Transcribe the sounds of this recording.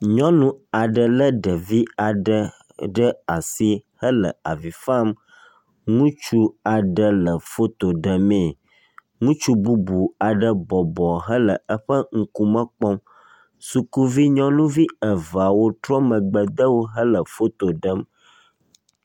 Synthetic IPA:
ɲɔ̃˦nũ˦a˨ɖə˨lə˦ɖə˨vi˦a˨ɖə˦ | ɖə˦a˨si˦hə˦lə̰˨a˨vi˨fa˦m | ŋũ˦t͡ʃu˦a˨ɖə˦lə˨fo˦t̪o˨ɖə˨mẽ˦˨ | ŋũ˦t͡ʃu˦bu˦bu˨a˨ɖə˦bɔ˨bɔ˨ɦə˦lə˨ə˦ɸə˦ŋ̩˦ku˦mə̃˦k͡pɔ˦m | su˨ku˦vi˦ɲɔ̃˦nũ˦vi˦ə˨va˨wo˦t̪ɾɔ˦mə̃˨ɡ͡bə˨d̪ə˦wo˦ɦə˦lə˨fo˦t̪o˨ɖə˦m

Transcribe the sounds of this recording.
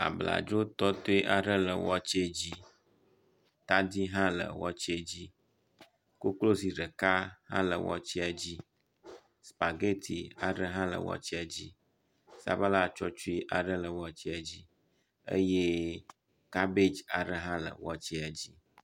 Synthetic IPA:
a̰˨bla̰˨d͡ʒo˦t̪ɔ˦t̪o˦i˦ʔa˨ɖə˦lə˨wɔ˦t͡ɕi˦e˦d͡ʑi˦ | t̪a˦d̪i˦ɦã˦lə̰˨wɔ˦t͡ɕi˦e˦d͡ʑi˦ | ko˦klo˦si˨ɖə˨ka˦hã̰˦lə̰˨wɔ̰˦t͡ɕi˦a˨d͡ʑi˦ | spa˨ɡe˦t̪ʰi˨a̰˨ɖə˦ɦã˦lə̰˨wɔ̰˦t͡ɕi˦a˨d͡ʑi˦ | sa̰˨ba˦la˦˨t͡ʃɔ˦t͡ʃu˦i˦ʔa˨ɖə˦lə˨wɔ˦t͡ɕi˦a˨d͡ʑi˦ | ə̰˦je˦ | ka˦be˦d͡ʒa˨ɖə˦ɦã˦lə̰˨wɔ˦t͡ɕi˦a˨d͡ʑi˦

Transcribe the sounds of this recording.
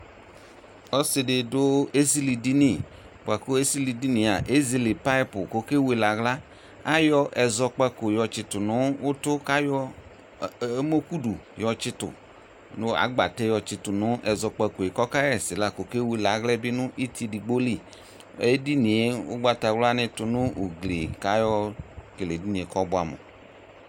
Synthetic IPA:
ɔ˦sɪ˨dɪ˨dʊ˦e˦si˦li˨di˦ni˦˨ | k͡pa˨ko˦e˦si˦li˨di˦ni˨a˨ʔe˦zi˦li˨pa˦i˦pʊ̰˨ko˦ke˦we˦la˨ɣla˦ | a˦jɔ˦ʔɛ˨zɔ˧k͡pa˦ko˨jɔ˨t͡ʃɪ˨tʊ˨nʊ˨˦ʊ˦tʊ˦ka˦jɔ˦ | mo˦ku˦du˨jɔ˨t͡ʃɪ˦tʊ̰˨ | nʊ˦a̰˨˦ɡ͡ba̰˨tɛ˦jɔ˧t͡ʃɪ˦tʊ˨nʊ˦ʔɛ˨zɔ˧k͡pɛ˧ko˨e˨kɔ˦ka˦ɛ˨sɪ˨la˦˨ko˨ke˦we˨la˨ɣlɛ˦bɪ˦nʊ˦ʔi˦ti˦di˨ɡ͡bo˦li˦˨ | e˦di˦ni˨e˦ʊ̰˦ɡ͡ba˦ta˨wla˦nɪ˦tʊ˨nʊ˦u˨ɡle˨ka˦jɔ˦ke˨le˨di˦nĩ˨e˨kɔ˦bʊ˦a˨mṵ˨

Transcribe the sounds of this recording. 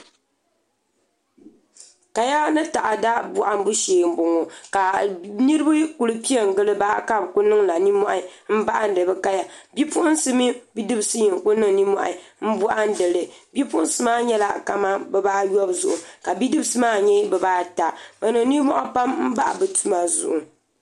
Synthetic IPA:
ka˨ja˦nɨ˦ta˨ʔa˨da˦bu˨ʔa˦m˦bu˦ʃeː˨m˦bʊ˨ŋo˨ka˨ni˦ɾɨ˦ba˦ku˨lɨ˦pi˦ɛ˨ŋ̩˨ɡɨ˦lɨ˦ba˦ka˦bku˦nɨ˦ŋla˨ni˦mɔ˦ʔm̩˦ba˦ʔa˦n̩˦dɨ˨bɛ˦ka˦ja˨bi˦pu˦ʔʊ˦nsɨ˦mi˦bi˦dɨ˦bsɨ˦ji˨ŋ˨kʊ˦nɨ˦ŋni˦mɔ˦˨ʔɪ̰˨˦m̩˦bu˦ʔa˦n̩˦dɨ˨lɨ˨bi˦pʊ˦ʔʊ˦n˦sɨ˦maː˦ɲɛ˦la˦ka˨ma˦bɛ˨baː˦jɔ˦bzʊ˨ʔʊ˨ka˨bi˦dɨ˦bɨ˦sɨ˦maː˦˨ɲɛ˦bɛ˨baː˦ta˨ba˨nɨ˨ŋ˦ni˦mɔ˦ʔa˦pa˦mm̩˦ba˦ʔa˨bɨ˨tʰu˦ma˨zʊ̰˨ʔʊ˨

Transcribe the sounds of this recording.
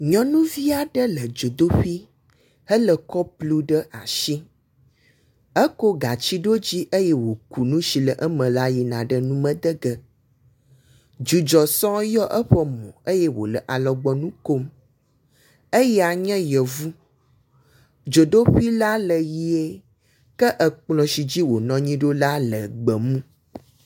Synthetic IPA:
ɲɔ̃˦nũ˦vi˦a˨ɖə˦lə˨d͡ʒo˨d̪o˦ɸi˦ | hə˦lə˨kɔ˦plu˦ɖə˦ʔa˨ʃi˦ | ə˦ko˦ɡa˨t͡ɕi˦ɖo˦d͡ʑi˦ʔə˦jɛ˦wo˨ku˨nũ˦ʃi˨lə˨ʔə˦mə̃˨la˦ji˨nã̰˨ɖə˦nũ˦mə̃˦d̪ə˦ɡə˦ | d͡ʒu˨d͡ʒɔ˨sɔ̃˦jɔ˦ʔə˦ɸə˦mɔ̰̃˨ə˦jɛ˦wo̰˨lə˨ʔa˨lɔ˨ɡ͡bɔ˨nũ˦ko˦m | e˦jɛ˦a˨ɲɛ̃˦jɛ˨vu˦ | d͡ʒo˨ɖo˦ɸi˦la˦lə˨ji˦e˦ | kə˦ʔə˨k͡plɔ̃˨si˨d͡ʑi˦wo˨nɔ̃˦ɲĩ˦ɖo˦la˦lə˨ɡ͡bə˨mũ˦

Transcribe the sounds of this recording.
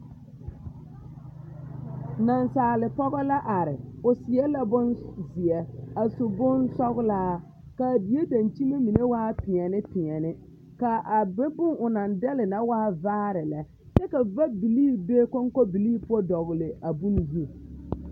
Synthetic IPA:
na˨nsaː˨lɪ˨pɔ˦ɣɔ˦la˦ʔa˨ɾɪ˨ʊ˨sɪ˨ɛ˦la˦bʊ˦nzɪ˨ɛ˨a˨sʊ˨bʊ˦nsɔ˦ɣlaː˦ | ka˨bi˨je˦da˨nt͡ʃi˦me˦mi˨ne˦waː˦pɪ˨ɛ˨nɪ˦pɪ˨ɛ˨nɪ˦ | ka˨ʔa˨bɪ˦bʊ˦ŋʊ˨na˨ndɛ˦lɪ˨na˦waː˦vaː˦ɾɪ˨la˨ | t͡ʃɛ˦ka˨va˦bi˨liː˦be˦kɔ˦ŋkɔ˦bi˨liː˦pʊ˦ɔ˦dɔ˨ɣlɪ˨a˨bu˦n˨zu˦˨

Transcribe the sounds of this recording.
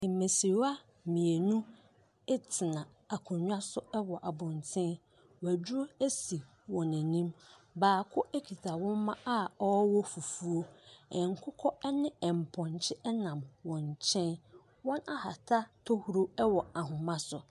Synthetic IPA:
me˨si˨˦a˦ | mĩ˨e˨nũ˦ | ɛ˦tʰɪ˨nã˨ | a˨kʰɔ̃˨ɲᶣ˦a˦sʊ˦ɛ˦wɔ˨ʔa˨bʊ̃˨n˨tʰɪ̃˦n | wæ˨d͡ʑᶣu˦o˦e˦si˨ | wɔ̃˨næ̃˨nĩ˦m | baː˨kʰʊ˦ʔæ˦kʰi˨tʰa˨wɔ̃˦m˦mã˦a˦ɔ˦wɔ˦fu˨fu˦o˦ɛ̃˨ŋ˨kʰʊ˦kʰɔ˦ɛ˦nɪ̃˦ɛ˨m̩˨pʰɔ̃˨n˨t͡ɕʰɪ˦ʔɛ˦nã˨mwɔ̃˨ɲ˨t͡ɕʰɛ̃˦n | wɔ̃˦na˦ha̰˨tʰa˦tʰɔ˦hu˦ɾo˦ɛ˦wɔ˨a˨ɦʊ̃˨mã˦sʊ˨

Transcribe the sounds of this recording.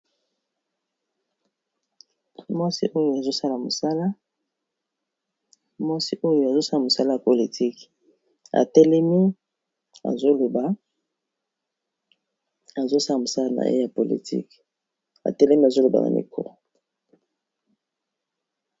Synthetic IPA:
mwa˦sḭ˦ʔo˦jo˨a˨zo˦sa˦la˨mo˨sa˦la˦ | mwa˦si˦ʔo˦jo˨a˨zo˦sa˦la˨mo˨sa˦la˦ja˨po˨li˨tʰi˦k | a̰˨tɛ˦lɛ˦mi˦ | a̰˨zo˦lo˨ba˨ | a˨zo˦sa˦la˨mo˨sa˦la˦na̰˨jḛ˦ja˨po˨lḭ˨tḭ˦k | a̰˨tɛ˦lɛ˦mi˦a˨zo˦lo˨ba̰˨na̰˨mḭ˨kʰo̰˨

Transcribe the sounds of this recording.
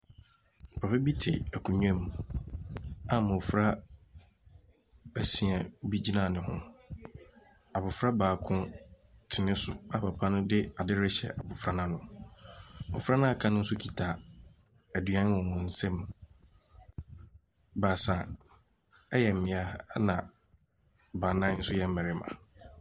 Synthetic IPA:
pʰa˨fɪ˦bi˦tʰɪ̰˨æ˨kʰũ˨ɲᶣã˦m | a˨mʊ˨fɾa˦ | æ˨sĩ˨a˨bi˦d͡ʑi˦nã˨nɪ̃˨ɦʊ̰̃˦ | a˨bʊ˨fɾa˦baː˨kʰʊ̃˦ | tʰɪ˨nɪ̃˦sʊ˨a˦pʰa˨pʰa˦nʊ̃˦dɪ˦a˨dɪ˦ɾɪ˦ɕɛ̰˨ʔa˨bʊ˨fɾa˦nã˦nʊ̃˨ | mɔ˨fɾa˦nã˦a˨kʰã˦nʊ̃˦n̩˦sʊ˦kʰi˨tʰa˨ | æ˨dɥã˦n˦wɔ̃˨wɔ̃˨n̩˦sɛ̃˦m | ba˨sã˨ | ɛ˦jɛ˨m̩˨mɪ̃˨a˦nã˨ | ba˨nã˦n̩˦sʊ˦jɛ˦m̩˦mɛ̃˨ɾɪ˦mã̰˨

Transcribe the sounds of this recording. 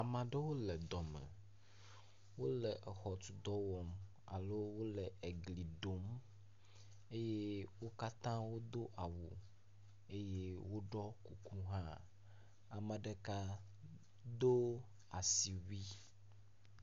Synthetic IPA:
a˨mã˨ɖɛ˦wo˦lɛ˨d̪ɔ˨mɛ̰̃˨ | wo˦lɛ˨ʔɛ˨xɔ˨t̪u˨d̪ɔ˦wɔ˦m | a̰˨lo˦wo˦lɛ˨e˨ɡli˨ɖo˨m | e˦je˦wo˦ka˦t̪ã˦wo˦d̪o˦ʔa˨wṵ˨ | e˦je˦wo˦ɖɔ˦ku˨ku˦ɦã˦ | a˨mɛ̃˨ɖɛ˦ka˦ | d̪o˦ | a˨si˨wi˦

